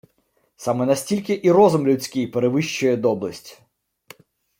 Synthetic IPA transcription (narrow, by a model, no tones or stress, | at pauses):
sɑmɛnɐsʲtʲilʲkɪʔirɔzʊmlʲʊt͡sʲkɪjpeɾeʋɪʃt͡ʃʊjɛd̪ɔblˠɐsʲtʲ